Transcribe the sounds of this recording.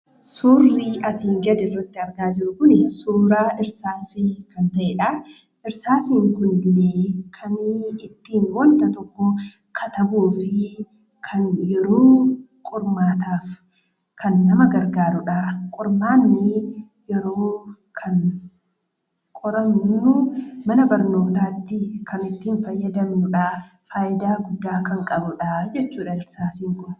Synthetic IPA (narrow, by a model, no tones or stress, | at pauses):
suːrːiʔɐsiŋɡɛd̪ɪrːɐt̪ːɪɐɾɡaːd͡ʒɪɾʊkʊnɪsuːɾaːʔɪɾsaːsiːkɐnt̪ɐʔeːᶑɐ | ʔɪɾsaːsiːŋkʊnɪd̪ɪleːkʰɐnɪt̪ːiːnwɔnt̪ɐt̪ɔkːɔ | kʰɐt̪ɐbuːfɪ | kʰɐnjɛɾoː | kʼɔɾmaːt̪aːf | kʰɐnːɐmɐɡɐɾɡaːɾʊᶑaːkʼʊɾmaːnːɪ | jɛɾoː | kʰɐn | kʼɔɾɐmnːumɐnɐbɐɾno̞ːt̪aːt̪ːɪkʰɐnɪt̪ːiːnfɐjːɐd̪ɐmnʊᶑaːfaːjɪd̪aːɡʊd̪ːaːkɐŋkʼɐbʊᶑad͡ʒɛt͡ʃːuːᶑɐɪɾsaːsiŋkʊn